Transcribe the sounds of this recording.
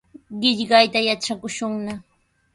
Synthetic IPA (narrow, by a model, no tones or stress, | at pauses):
ɢɪʎɢɑjt̪ajaʈ͡ʂakʊʃʊŋna